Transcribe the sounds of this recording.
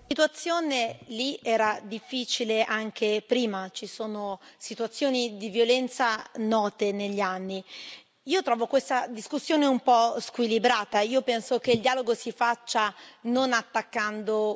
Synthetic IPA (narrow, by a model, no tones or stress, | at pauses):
sit̪uat̪sːjoːneliɛːɾad̪ifːiːt͡ʃileʔaŋk̟epɾiːmat͡ʃisoːnosit̪uat̪sːjoːnid̪ivjolɛnt̪sanɔːt̪eneʎːianːi | iːot̪ɾɔːvokwest̪ad̪iskusːjoːneumpɔskwilibɾaːt̪aiːopɛnsok̟eild̪iaːloɡosifat͡ʃːanonat̪ːakːand̪o